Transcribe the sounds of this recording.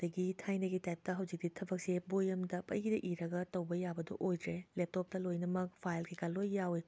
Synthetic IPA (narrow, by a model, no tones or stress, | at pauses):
d̥ɐɡitʰajnɐɡitajp̚tɐɦɐwzik̚ditʰɐbɐk̚sebojɐmdɐpɐ̰jidɐʔiɾɐɡɐtɐwbɐjabɐdɐ̰ʔojdɾelep̚tɔp̚tɐlojnɐmɐk̚pʰajlɡikalːojːawi